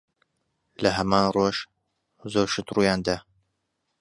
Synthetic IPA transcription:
lɐɦɐmaːnroʃ | zoɾʃɨt̪rujaːnd̪a

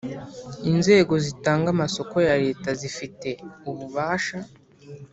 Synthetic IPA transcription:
inze̞ːɡo̞zitaːŋɡamaso̞ko̞jaɾe̞ːtazifite̞uβuβaːʃa

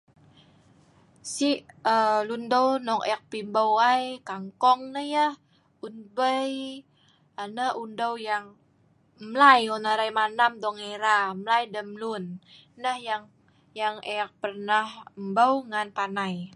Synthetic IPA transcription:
sihəlundawnɔkḛak̚pimbawajkaŋkɔŋnəhjah | unbəj | anəundawjaŋ | mlajonaɾajmanamd̪ɔŋeɾamlajdəmlun | nəhjaŋ | jaŋeak̚pərnahmbawŋanpanaj

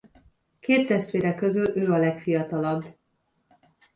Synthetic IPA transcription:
keːt̪ːɛʃt̪ʋeːɾɛkːø̞zylʔøːɒlɛkfijɒt̪ɒlɒb

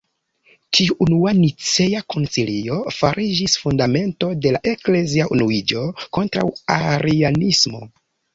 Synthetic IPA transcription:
tiuunuanit͡sejako̞nsilio̞faɾʔid͡ʒisfundame̞nto̞de̞laʔe̞kle̞ziaʔunuid͡ʒo̞ko̞ntɾa̰wa̰ɾianismo̞̰

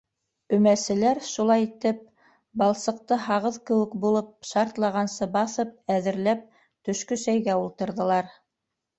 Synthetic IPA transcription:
ɵ̆mæsɘ̆læɾʃulˠɑjit̪ɘp̚ | bɑlˠsɤ̆q̚t̪ɤɦɑʁɤðkɘ̆wɘ̆kbulˠɤp̚ʃɑɾt̪lˠɑʁɑnsɤbɑθɤp̚æðɘ̆ɾlæp̚ | t̪ɵ̆ʃkɵsæjɡæulˠt̪ɤ̆ɾðɤ̆lˠɑɾ

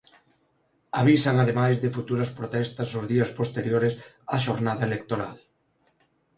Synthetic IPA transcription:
aβ̞isɐŋaðemajzðɪfut̪uɾɐspɾot̪ɛst̪ɐsʊzðiɐspost̪eɾjoɾɪs | aʃoɾnaðɐelek̚t̪oɾal

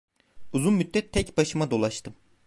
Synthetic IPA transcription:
uzunmyd̪ːɛt̪ʰːɛcbaʃɯmad̪o̞lˠaʃt̪ʰɯm

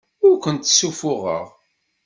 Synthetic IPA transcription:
ʊɾkʷənt̪ːsufʊʁə̰ʁ

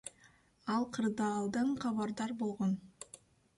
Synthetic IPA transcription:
ɑlˠqʰɯɾd̪ɑːlˠd̪ɯɴqʰɑβɑɾd̪ɑɾbo̞lˠʁon

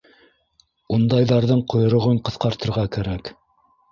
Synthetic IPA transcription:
und̪ɑjðɑɾðɤɴqŏjŏɾŏʁɤɴqɤ̆θqɑɾt̪ɤ̆ɾʁɑkæɾæk

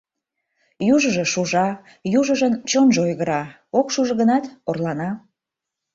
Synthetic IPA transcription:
juʒəʒe̽ʃuʒɑ | juʒəʒənt͡ɕonʒeojɣəɾɑ | okʃuʒəɣənɑt̪orlɑnɑ

